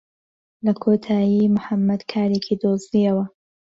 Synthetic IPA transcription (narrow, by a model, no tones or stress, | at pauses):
lɐkʰoːt̪ʰaːjiːmʊħamːɐd̪kʰaːɾeːkʰiːd̪oːzd̪ijɐwɐ